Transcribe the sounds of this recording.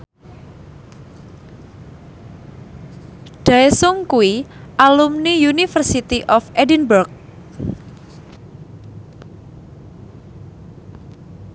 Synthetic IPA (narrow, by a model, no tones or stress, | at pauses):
ɖ̥asʊŋkuwiʔalumnijunifərsit̪iʔɔfʔedinburk̚